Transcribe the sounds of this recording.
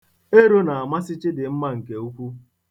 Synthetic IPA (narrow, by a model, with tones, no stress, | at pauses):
e˦ɾo˦na˨a˨ma˦sɪ˦t͡ʃɪ˦dɪ˨m̩˦ma˦ŋ̩˨ke˨u˦kʷu˦